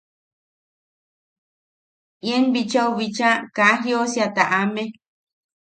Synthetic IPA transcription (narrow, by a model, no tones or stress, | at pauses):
jenbit͡ʃauβit͡ʃãkãɦjosjat̪aʔamẽ